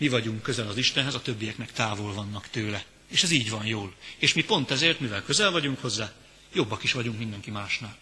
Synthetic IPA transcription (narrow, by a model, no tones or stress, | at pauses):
mivɒɟuŋkːø̞zɛlɒziʃt̪ɛnɦɛzɒt̪ø̞bːijɛknɛkt̪aːvolvɒnːɒkt̪øːlɛ | eːʃɛziːɟvɒnjoːleːʃmipo̞nt̪ɛzeːrt̪mivɛlkø̞zɛlvɒɟuŋkho̞zːaː | jo̞bːɒkiʃʋɒɟuŋkmind̪ɛŋkimaːʃnaːl